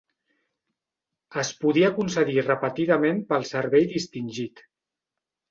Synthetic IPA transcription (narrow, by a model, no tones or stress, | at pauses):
əspuðiəkunsəðirəpət̪iðəmempəlˠsəɾβɛjðist̪inʲʒit̪